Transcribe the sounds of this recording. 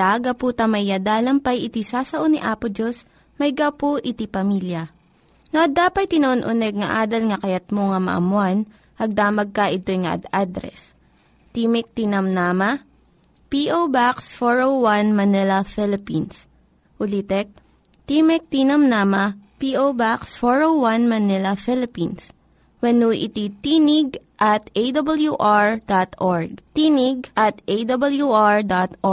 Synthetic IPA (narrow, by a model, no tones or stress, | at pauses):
aɡɐpuːt̪ɐmɐjjad̪aːlɐmpɐjʔɪt̪isaːsɐʔoniʔaːpʊd͡ʒos | mɐjɡawpoʔɪt̪ipɐmiljɐ | noʔɐd̪aːpɐt̪̚t̪ːɪnɐʔonʔʊnɛɡ̚ŋɐʔaːd̪ɐlŋɐkɐjɐt̪̚moŋɐmɐ̰ʔɐ̰mʊan | ʔɐɡ̚d̪aːmɐɡ̚kɐʔɪt̪o̞jŋɐʔɐ̰d̪ad̪ɾɛ̰s | t̪imɛk̚t̪inɐmnaːmɐ | piʔowbaksfoɹowwanmɐnɪlɐfɪlɪpins | ʔʊliːt̪ɛk̚ | t̪imɛk̚t̪inɐmnamɐpiʔowbaksfɔɹowwɐnmɐnɪlɐfɪlɪpins | wɐnuːʔɪ̰t̪it̪inɪɡʔɐt̪ejd̪ɐbɐljuʔaɹd̪at̪ʔoɹɡ̚t̪iːnɪɡ̚ʔɐt̪ʔejd̪ɐbɐljuʔaɹd̪at̪ʔo